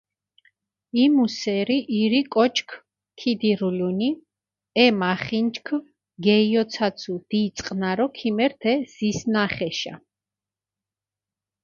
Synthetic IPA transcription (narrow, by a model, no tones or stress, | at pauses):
imusɛɾiʔiɾikʼɔt͡ʃʰkʰ | kʰid̪iɾuluni | ɛmaχint͡ʃkʰ | ɡɛiɔt̪sʰat̪sʰud̪̥iːt̪sʼqʼnaɾɔkʰimɛɾt̪ʰɛz̥isnaχɛʃa̰